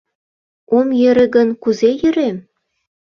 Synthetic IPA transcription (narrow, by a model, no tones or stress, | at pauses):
omjĕɾɘ̆ɡə̆nkuzejə̆ɾem